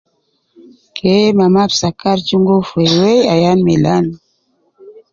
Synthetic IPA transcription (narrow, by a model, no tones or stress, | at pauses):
kʰemamapsakaɾt͡ʃuŋɡofwewejajanmelan